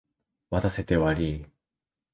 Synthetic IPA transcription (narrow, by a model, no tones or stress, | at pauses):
βat̪ase̞t̪e̞βaɾʲiː